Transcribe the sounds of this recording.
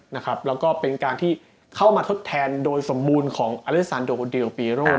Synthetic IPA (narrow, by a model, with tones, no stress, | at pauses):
na˦˥kʰɾa˦˥p̚lɛː˦˥wkɔː˥˩pe˧nkaː˧nt̪ʰiː˥˩ | kʰa˥˩wmaː˧t̪ʰo˦˥t̪ʰːɛː˧ndoː˧jso˩˦mːuː˧nkʰɔː˩˦ŋʔa˧le˦˥k̚saː˧ndoː˧di˧wpiː˧ɾoː˥˩